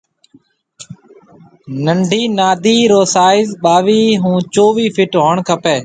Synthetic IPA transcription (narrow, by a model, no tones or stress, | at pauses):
nəɳɖʱiːnaːd̪ʱiːɾoːsaːɪzɓaːʋiːɦũːt͡ʃoːʋiːfʰɪʈɦoːɳkʰəpeː